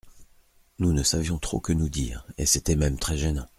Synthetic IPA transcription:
nunəsavjɔ̃t̪χo̰kənud̪ḭːʁḛset̪ɛmɛmt̪χɛʒenɑ̃

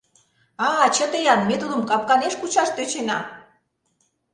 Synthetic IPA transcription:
ɑt͡ɕə̆t̪ejɑnmet̪ud̪ə̆mkɑp̚kɑneʃkut͡ɕɑʃt̪øt͡ɕenɑ̰

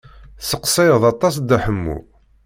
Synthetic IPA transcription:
səqsæjəðˤɑt̪ˤːɑs̬d̪æħəmːṵ

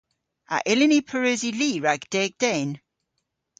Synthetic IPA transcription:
a̰ʔɪlɪnipʰəɹøziliɹaɡd̥ɛɡ̚d̥ɛn

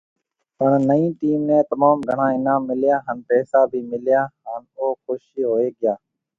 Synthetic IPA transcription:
pəɳnəĩːʈiːmnẽːt̪əmaːmɡʱəɳ̤ãːɪnãːmɪljaːɦənpɛːsaːbʱiːmɪljaːɦənoːxoʃiːɦoːeːɡɪjaː

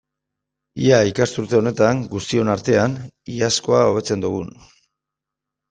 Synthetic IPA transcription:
iaikast̪uɾt̪e̞o̞ne̞t̪aŋɡust̪io̞naɾt̪e̞aniasko̞ao̞β̞e̞t͡se̞nd̪uɣ̞un

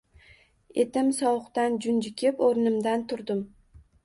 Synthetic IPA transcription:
e̞̰t̪ɪmsɒwʊqt̪and͡ʒʊnd͡ʒɪkʲʰɪpoɾnɪmd̪ant̪ʰʊɾd̪ɪm

